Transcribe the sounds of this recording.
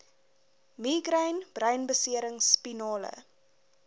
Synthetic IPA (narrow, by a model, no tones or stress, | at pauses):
miːɡrəɥnb̥rœɥnbəsiəɾəŋspinɑːlə̰